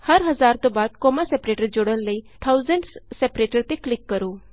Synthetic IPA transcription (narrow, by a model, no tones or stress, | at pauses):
həɾɦɐzaːɾt̪õːbaːd̪̚koːmasɛpɾeːʈəɾd͡ʒoːɽəlləiːt̪ʰaːuzə̃ɳɖssɛpɾeːʈəɾt̪eklɪkːəɾoː